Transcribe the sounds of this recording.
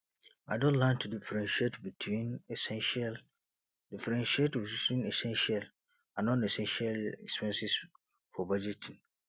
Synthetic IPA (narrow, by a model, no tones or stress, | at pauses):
adõnlãntʰːudifɾɛ̃nʃietbitʰwĩnɛsɛ̃nʃal | difɛɾɛ̃nʃietbitʰwĩnɛsɛ̃nʃial | ãnːɔ̃nɛsɛ̃nʃialɛkspɛ̃nsis | fɔbad͡ʒetʰĩn